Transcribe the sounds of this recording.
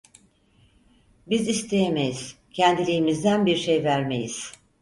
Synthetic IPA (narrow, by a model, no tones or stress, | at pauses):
bizist̪ʰe̞jeme̞jiz̥cʰænd̪ilʲijimizd̪ænbiɾʃejvæɾmḛjiz̥